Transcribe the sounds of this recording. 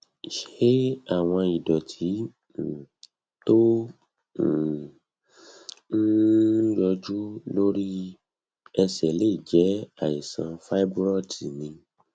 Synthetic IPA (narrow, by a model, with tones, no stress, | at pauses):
ʃe˦a˦˨w̃ɔ̃˧i˨dɔ˨tʰi˨˦˨ | to˦˨ | n̩˦jɔ˧d͡ʒu˦lo˦ɾi˦ | ɛ˧sɛ˨le˦˨d͡ʒɛ˨˦a˦˨ji˨sã̰˧fa˦i˦bɾɔ˦˨ti˨nĩ˧